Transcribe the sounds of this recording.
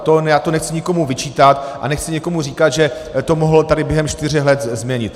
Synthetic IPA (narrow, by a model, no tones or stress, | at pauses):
t̪onjaːt̪onɛxt͡sɪɲɪko̞muvɪt͡ʃiːt̪at̪ʔa̰nɛxt͡sɪɲɛko̞mur̝iːkat̪ʒɛ | t̪o̞moɦl̩t̪adɪbjɛɦɛmʃt̪ɪrɛxlɛt̪zmɲɛɲɪt̪